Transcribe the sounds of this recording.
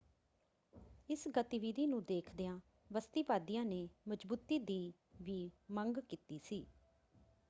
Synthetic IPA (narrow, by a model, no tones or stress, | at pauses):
ɪsɡət̪iʋiːd̪iːnũːd̪eːkʰd̪eːãː | ʋəst̪iːpaːd̪ijãːneːməd͡ʒbuːt̪iːd̪iː | ʋiːməŋɡkiːt̪iːsiː